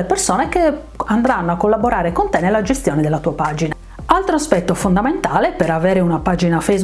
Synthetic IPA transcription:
lepersoːneke | and̪ɾanːoakːolːaboɾaːɾekont̪ɛnelːad͡ʒest̪jɔːned̪elːat̪uːapaːd͡ʒina | alt̪ɾoaspɛt̪ːofond̪ament̪aːlepeɾavɛːɾeunapaːd͡ʒinafejz

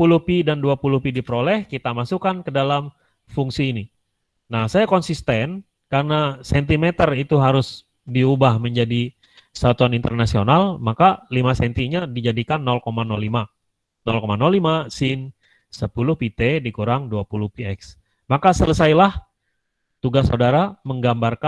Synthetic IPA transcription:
pulʊhpidanduapuluhpidipəɾolɛhkit̪amasukankədalam | fuŋsiːni | nahsajakɔnsist̪ɛn | karənasɛnt̪imet̪ərit̪uɦaɾʊs | diubahməɲd͡ʒadi | sat̪uanint̪ərnasionalmakalimasɛnt̪iɲadid͡ʒadikanːɔlkomanɔlima | nɔlkomanɔlimasɪn | səpulʊhpit̪edikuɾaŋduapulʊhpiɛks | makasələsajlah | t̪uɡasːa̰udaɾaməŋɡambarka

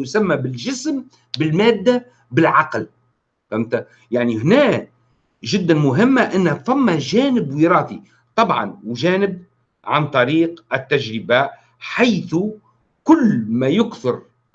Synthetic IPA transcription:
jsamːabɪlʒɪsm | bɪlmaːd̪ːa | bɪlʕɑql | famt̪a | jaʕniɦnæː | ʒɪd̪ːanmʊɦɪmːaʔɪnːhafamːaʒæːnɪbwiːɾɑːθi | t̪ˤɑbʕɑ̰nwʒæːnɪb̚ | ʕant̪ˤɑɾiːqʔɪt̪ːaʒɾɪbaːʔ | ħajθu | kʊlːmaːjʊkθʊɾ

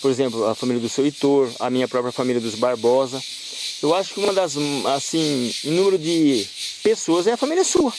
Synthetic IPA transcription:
poɾezẽmplʊɐfamiljɐd̪ʊsewit̪oɾɐ̰mĩɲɐpɾɔpɾjɐfamiljɐd̪ʊzbaɾbɔzɐ | ewaʃʊ̥kɪũmɐd̪ɐzasĩĩnũmeɾʊd̪ɪpesoɐzɛɐfamiljɐsuɐ

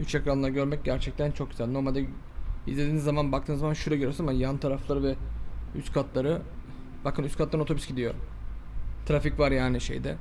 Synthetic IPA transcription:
yt͡ʃekɾanlˠaɾɯɟø̞ɾmɛc̚ɟæɾt͡ʃʰɛc̚t̪ʰænt͡ʃʰok̚ɟy̥zælʲno̞ɾmalʲd̪ɛ | ḭzlʲed̪iːnizːamanbak̚t̪ʰɯːnzamanʃuɾaɡøɾijosnamanjant̪ʰaɾaflˠaɾɯvɛyst̪kʰat̪ʰlˠaɾɯ | bakʰɯnyst̪kʰat̪lˠaɾnot̪ʰobysɟid̪ijo̰ | t̪ʰɾaficvaɾjaːniʃe̞̰jd̪ɛ̰

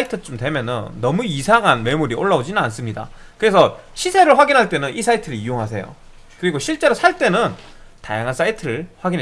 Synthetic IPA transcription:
itʰɯt͡ɕ͈omtwe̞mjʌnɯnːʌmuisʰaŋɦanme̞muɾioɭːaod͡ʑinɯnans͈ɯmɲida̰kɯɾe̞sʰʌɕʰisʰe̞ɾɯɭɸwaɡinɦaɭt͈e̞nɯnis͈ʰaitʰɯɾɯijoŋɦasʰe̞̰jo̰ | kɯɾiɡoɕʰiɭt͡ɕ͈e̞ɾosʰaɭt͈e̞nɯn | ta̰jaŋɦans͈ʰaitʰɯɾɯɭɸwaɡin

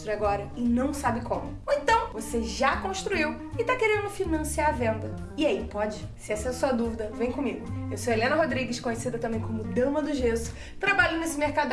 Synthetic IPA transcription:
t̪ɾijaɡɔɾɐɪnɐ̃w̃sabɪkõmʊoẽnt̪ɐ̃w̃voseʒakõʃt̪ɾuiw | ɪt̪akeɾẽnd̪ʊfiɾnɐ̃siaɾvẽnd̪ɐ | ɪaipɔd͡ʒɪsɪɛsɐɛɐsoɐd̪uvid̪ɐvẽj̃kõmiɡʊewsoelẽnɐɦod̪ɾiɡɪʃkõɲesid̪ɐt̪ɐ̃mbẽj̃kõmʊd̪ɐ̃mɐd̪ʊʒezʊ̥ | t̪ɾabaʎẽjnesɪmeɾkad̪

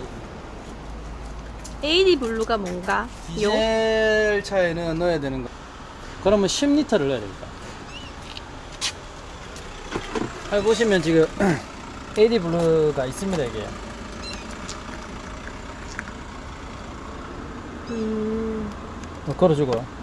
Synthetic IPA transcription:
eidibuɭːuɡamwʌnɡa | ijoeɭt͡ɕʰaenɯnːʌjedwenɯnɡʌ | kɯɾʌmɯnɕʰimɲitʰʌɾɯɭɦead̪ḛɭk͈a̰ | aɭboɕ̬ʰimjʌnt͡ɕiɡɯm | eidibuɭːuɡais͈ɯmɲidaiɡḛjo̰ | ɯ | ʌkɯɾʌd͡ʑuɡo

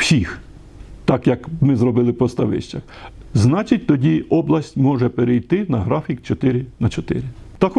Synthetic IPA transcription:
wsʲix | t̪ɑkjɐkmɪzrɔbɪlˠɪpɔst̪ɐʋɪ̰ʃt͡ʃɐxznɑt͡ʃɪtʲt̪ɔdʲiʔɔblˠɐsʲtʲmɔʒɛpeɾejt̪ɪnɐɦɾɑfʲikt͡ʃɔt̪ɪɾɪnɐt͡ʃɔt̪ɪ̰ɾɪt̪ɐx

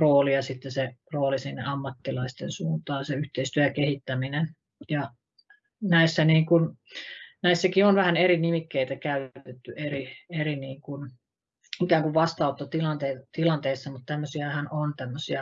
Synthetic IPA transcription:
roːliɑsit̪ːeseroːlisinːḛɑmːɑt̪ːilɑist̪ensuːnt̪ɑːnseyht̪eist̪yøækehit̪ːæminen | jɑ | næisːæniːŋkun | næisːækionʋæhæneɾinimikːeit̪ækæyt̪et̪ːyerieriniːŋkun | ikæːŋkuʋʋɑst̪ɑˑut̪ːɑt̪ilɑnt̪eit̪ilɑnt̪eisːɑmut̪t̪æmːøsiæhænont̪æmːøsiɑ

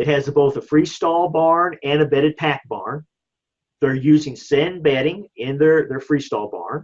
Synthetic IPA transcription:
ɨt̚hɨzboʊθəfɹistɔlˠbɑɹnɨ̃nɨbɛɾɨd̚pʰæk̚b̥ɑ̰ɹn | ðə˞jʉzɪ̃ŋsɛ̃nbɛɾɪ̃ŋɪ̃nðə˞ðə˞fɹistɔlˠbɑ̰ɹn

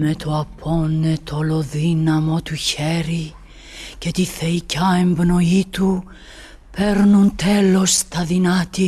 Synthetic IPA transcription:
me̞t̪ʰoɐpʰo̞ne̞t̪ʰolo̞ðinɐmo̞t̪uçe̞ɾi | ce̞t̪iθeicɐe̞mbno̞it̪u | pe̞ɾnunt̪e̞lo̞st̪ɐðinɐt̪i

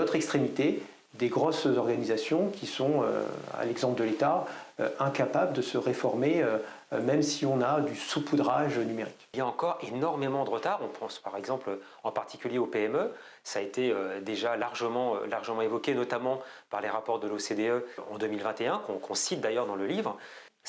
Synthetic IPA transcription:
ɔt̪χɛkst̪χemit̪e | d̪eɡʁɔszɔʁɡanizasjɔ̃kʲʰisɔ̃ø̰a̰lɛɡzɑ̃pld̪əlet̪aø̰ɛ̃kapabləd̪əsəʁefɔʁmeø | mɛmsiɔ̃nad̪ysupud̪ʁaʒnymeʁikiljaɑ̃kɔʁenɔʁmemɑ̃d̪əʁət̪aʁɔ̃pʰɑ̃spaʁɛɡzɑ̃plø | ɑ̃paʁt̪ʰi̥kʲyljeopeɛmø | saːet̪eød̪eʒalaʁʒəmɑ̃ø̰laʁʒəmɑ̃evɔkʲenɔt̪amɑ̃paʁleʁapɔʁd̪əlosed̪eøɑ̰̃d̪əmilvɛ̃t̪eɛ̃kɔ̃kʰɔ̃sit̪̚d̪ajœʁd̪ɑ̃ləlivʁ

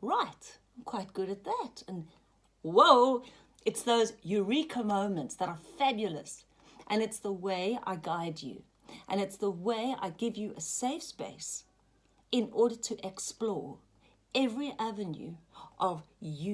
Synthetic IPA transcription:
ɹaɪtãɪ̃mkʰw̥aɪt̚ɡ̥ʊɾɨt̪̚ðætɨ̃n | woʊ | ɨtsðoʊzjʉɹikʰomõʊ̃nmɨ̃ntsðəɾə˞fæbjl̩ˠə̰s | ʔɨ̃nɨtsðəweɪa̰ɪɡaɪd͡ʒʉ̰ | ʔɨ̃nɨtsðəweɪa̰ɪɡɪvjɨʔɨseɪfspḛɪs | ɨ̃nɔɹɾə˞ɾʰɨʔɛksplɔɹ | ɛvɹiʔævɨ̃njʉ̰ʔʌvj

